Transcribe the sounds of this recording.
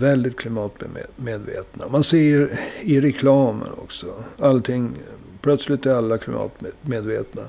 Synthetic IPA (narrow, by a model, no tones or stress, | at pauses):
vɛld̪ɪt̪kʰlɪmɑːt̪ːmeːd̪vḛːt̪namanseːɾɪɾɛkʰlɑːmə̰nɔ̰ksɔalt̪ʰɪŋː | pʰlœt̪slɪt̪æɾalːakʰlɪmɑ̰ːt̪meːd̪vḛːt̪na